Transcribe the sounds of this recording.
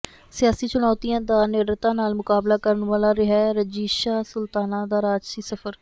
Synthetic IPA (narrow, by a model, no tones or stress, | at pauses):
sɪjaːsiːt͡ʃʊnɔːt̪iːãːd̪aːneːɖɾət̪ãːnaːlmʊkaːblaːkəɾənʋaːlaːɾɪɦɛːɾəd͡ʒiːʃaːsʊlt̪aːnãːd̪aːɾaːd͡ʒsiːsəfəɾ